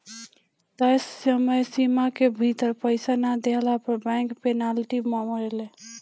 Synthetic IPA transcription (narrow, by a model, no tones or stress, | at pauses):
d̪əsːəməjsimakebʱit̪əɾpəɪsanad̪eɦlapəɾbɛ̃ŋkpenalʈimamɾele